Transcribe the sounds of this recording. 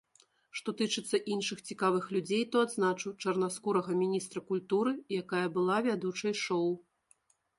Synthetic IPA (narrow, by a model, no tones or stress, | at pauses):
ʂt̪ɔt̪ɨt͡ʂɨt̪sːɐʔinʂɨxt͡sʲikavɨxlʲud͡zʲejt̪ɔad̪znat͡ʂɨwt͡ʂɐrnaskuɾɐɣɐmʲinʲist̪ɾɐkulʲt̪uɾɨjakajɐbɨlˠavʲad̪ut͡ʂɐjʂɔw